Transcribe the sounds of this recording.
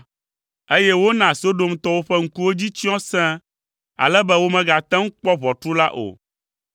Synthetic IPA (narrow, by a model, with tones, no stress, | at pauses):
e˦jɛ˦wo˦nã˨si˨˦o˦ɖo˦m̩˦t̪ɔ˦wo˦ɸɛ˦ŋ̩˦ku˦wo˦d͡ʑi˦t͡ɕĩ˦ɔ̃˦sɛ̃˦ | a̰˨lɛ˦bɛ˦wo˦mɛ̃˦ɡa˨t̪ɛ̃˦ŋ̩˦k͡pɔ˦βɔ˨t̪ɾu˦la˦ʔo̰˨